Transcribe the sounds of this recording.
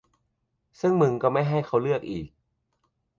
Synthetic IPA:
sɯ˥˩ŋmɯ˧ŋkɔː˥˩ma˥˩jɦa˥˩jkʰa˦˥˩wlɯ˥˩ək̚ʔiː˨˩k̚

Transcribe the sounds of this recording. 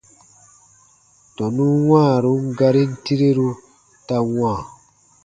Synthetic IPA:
tɔ˨nũ˦wãː˦˨ɾu˦ŋ˦ɡa˧ɾi˦n̩˦ti˦ɾe˦ɾu˦ | ta˧wãː˦˨

